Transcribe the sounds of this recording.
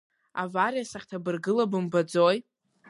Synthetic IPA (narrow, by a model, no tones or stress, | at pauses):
a̰varjasaχʲtʰabɨrɡɨlabɨmbad͡zoj